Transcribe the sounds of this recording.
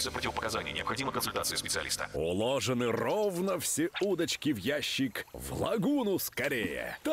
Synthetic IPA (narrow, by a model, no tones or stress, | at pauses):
sʲəpɾotʲɪvəpəkɐzanʲɪjənʲɪɐpxɐdʲiməkənsʊlʲt̪at̪sɨjspʲɪt̪sɨɐlʲḭst̪ə̰ʊ̰lˠoʐɨnɨrovnəfsʲeud̪ət͡ɕkʲɪvjæɕːɪkvlˠɐ̰ɡunʊskɐɾʲejə̰t̪